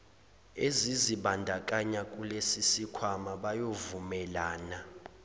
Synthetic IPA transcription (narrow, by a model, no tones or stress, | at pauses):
eziziɓandʱak̬ʼaɲakʼulesisikʰwamaɓajovumɛlaːna